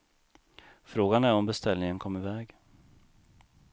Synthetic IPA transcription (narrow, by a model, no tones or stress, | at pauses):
fɾoːɡanæɾɔmbɛst̪ɛlnɪŋənkʰɔmːɪvɛːɡ